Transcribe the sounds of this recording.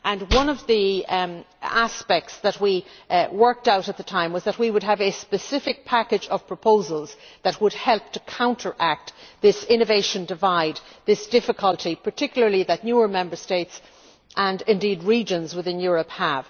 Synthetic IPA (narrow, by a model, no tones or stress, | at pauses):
ʔə̃nwʌ̃nʌvði | aspɛk̚tsðət̚wiwɜ˞k̚taʊɾət̪̚ðətʰãɪ̃mwʌzðət̚wiwəd̚əvɨspɨsɪfɨk̚pʰækɨd͡ʒʌv̥pʰɹ̥əpʰoʊzəlˠz̥ðət̚wəd̚hɛlˠp̚tʰəkʰãʊ̃ntʰə˞ʔæk̚t̪ðɪsɪ̃ñɨveɪʃə̃ndɪvaɪd̪̚ðɪsd̥ɪfɨkʰəlˠtʰipʰə˞tʰɪkjl̩ˠə˞liðətⁿnjuə˞mɛ̃mbə˞steɪts | ʔə̃nɪ̃ndid̚ɹid͡ʒə̃nzwɨðɪ̃njʊɹəphəv̥